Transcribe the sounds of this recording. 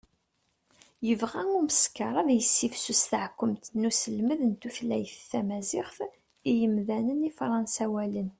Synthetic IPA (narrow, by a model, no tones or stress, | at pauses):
jəvʁæŋuməskɑɾˤɑðjəsːifsusθʕkʷːəmt̪nusəlməðənt̪uflæjθθæmæzɪχθ | ijəmðænənifɾˤɑnsæwælən